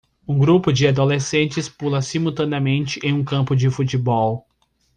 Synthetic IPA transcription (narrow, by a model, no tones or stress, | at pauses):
ũɡɾupʊd͡ʒɪad̪olesẽnt͡ʃɪspulɐsimuwt̪ɐ̃nɪɐmẽnt͡ʃɪʔẽj̃ũkɐ̃mpʊd͡ʒɪfut͡ʃɪbɔw